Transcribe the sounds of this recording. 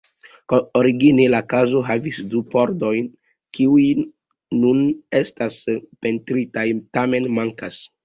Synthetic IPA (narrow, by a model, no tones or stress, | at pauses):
kooɾiɡinelakazo̞ɦavisdupo̞ɾdo̞jn | kiuj | nune̞staspe̞ntɾitajtame̞nmaŋkas